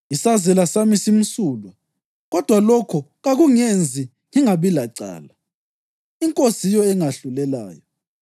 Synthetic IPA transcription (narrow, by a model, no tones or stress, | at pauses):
isazɛlasamisim̩suːlwa | ɣɔd̥ʱwalɔkʰɔɣaɣuŋend͡zʱi | ŋiŋaβilaǀa̰ːla | iŋkʼosijɔɛŋaɬulɛla̰ːjɔ